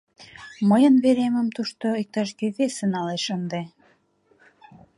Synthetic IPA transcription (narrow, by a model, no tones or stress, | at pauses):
məjə̆nβeɾemə̆mt̪uʃt̪oik̚t̪ɑʃ̬ɡeβesə̆nɑleʃənd̪e